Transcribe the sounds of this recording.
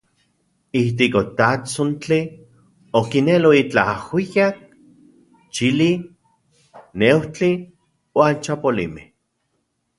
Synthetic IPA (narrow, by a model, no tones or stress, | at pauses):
iht̪ikot̪at͡sont͡ɬi | okineloit͡ɬa̰hwijak̚ | t͡ʃili | newt͡ɬi | want͡ʃapolḭmeh